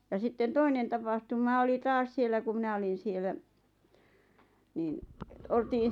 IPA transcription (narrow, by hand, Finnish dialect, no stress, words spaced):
jɑ sitːen toinen tɑpɑhtumɑ oli tɑːs sielˑæ ku mĭnæ olin sielæ niːn oltiːn̞